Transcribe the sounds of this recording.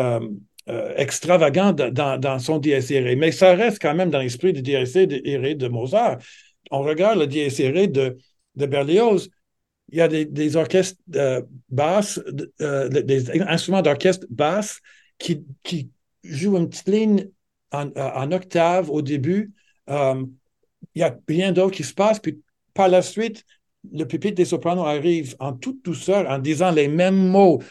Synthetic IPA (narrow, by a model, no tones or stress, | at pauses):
øm̰ | ɛ̰kst̪ʁavaɡɑ̃d̪d̪ɑ̃d̪ɑ̃sɔ̃d̪eɛsʁemɛsaʁɛst̪̚kɑ̃mɛ̃md̪ɑ̃lɛs̬pʁid̪əd̪eɛsed̪əʔeʁed̪əmozaːʁ | ɔ̃ʁəɡaʁd̪ləd̪eɛsʁed̪ə | d̪əbɛʁleoz | iljad̪ed̪ezɔʁkʲɛst̪øbas | d̪eɛɛ̃st̪ʁymɑ̃d̪ɔʁkʲɛst̪bas | kʲʰikʲʰi | ʒuynpt̪i̥t̪liɲ | ɑ̃ɑ̃nɔk̚t̪avod̪eby | əm | iljabɛ̃d̪okʲisə̥paspɥi | paʁlasɥit̪ | ləpepid̪esɔpʁanoaʁivɑ̃t̪ut̪̚d̪usœːʁɑ̃d̪izɑ̃lemɛmːo